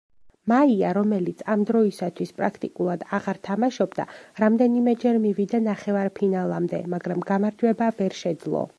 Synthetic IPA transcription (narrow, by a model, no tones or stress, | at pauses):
maiaɾɔmɛlit̪sʰamd̪ɾɔisat̪ʰwispʼɾa̰kʰt̪ʼikʼulˠad̪aʁaɾt̪ʰamaʃɔbd̪a̰ɾamd̪ɛnimɛd͡ʒɛɾmivid̪anaχɛvaɾpʰinalˠamd̪ɛ̰maɡɾamɡamaɾd͡ʒwɛbavɛɾʃɛd̪zlˠɔ̰